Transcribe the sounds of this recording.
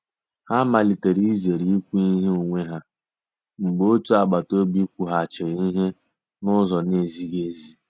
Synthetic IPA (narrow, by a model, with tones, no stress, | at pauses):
ha˦ma˨li˨te˨ɾi˦ze˨ɾi˨i˦kʷu˦i˦ɦe˦o˨ŋʷe˦ɦa˦ | ŋ͡m̩˨ɡ͡bo˦tu˦a˨ɡ͡ba˨to˦bi˦kʷu˦ɦa˨t͡ʃɪ˨ɾi˦ɦe˦ | nʊ˦zɔ˨ne˦˨zi˦ɡe˨zi˦